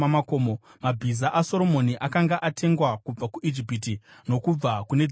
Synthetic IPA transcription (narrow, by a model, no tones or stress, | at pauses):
amakoːmomabʱizaʔaso̞ɾo̞mo̞niʔakaŋɡaʔatʰe̞ŋɡwakub͡vakuʔid͡ʒipitino̞kub͡vakune̞d͡z